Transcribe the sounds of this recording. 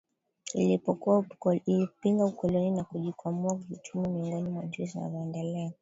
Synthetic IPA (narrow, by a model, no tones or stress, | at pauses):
ilipɔkuailipiŋɡaukɔlɔninakuʄikʰambuakutʰumumiɔŋɡɔnimwad͡ʒuzina̰vaɛndɛlɛa